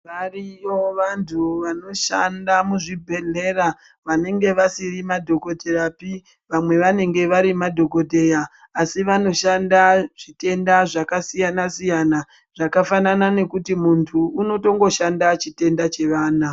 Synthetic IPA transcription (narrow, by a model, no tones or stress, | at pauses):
ʋarijo̞ʋantʰuʋano̞ʃandamuʐibʱe̞ɮe̞ɾa | ʋane̞ŋɡe̞ʋasirimadʱo̞ko̞dʱe̞ɾapi | ʋamwe̞ʋane̞ŋɡe̞ʋaɾimadʱo̞ko̞dʱe̞jaː | siʋano̞ʃandaʐ̥ite̞ndaʐakasijanasijana | ʐ̥akafananane̞kutimuntʰuːno̞to̞ŋɡo̞ʃandat͡ʃite̞ndat͡ʃe̞ʋaːna